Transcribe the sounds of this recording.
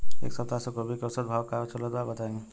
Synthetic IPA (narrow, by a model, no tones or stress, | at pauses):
ḛːksəp̚t̪asekobʱikeɔsəd̪̚bʱaːwkaɾot͡ʃələd̪baːɾbɐt̪aẽːŋɡe